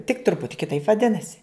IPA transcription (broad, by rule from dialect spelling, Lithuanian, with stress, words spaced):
tʲɪk ˈtrʊpʊtʲɪ kʲɪˈtɐɪp ʋɐˈdʲɪnɐsʲɪ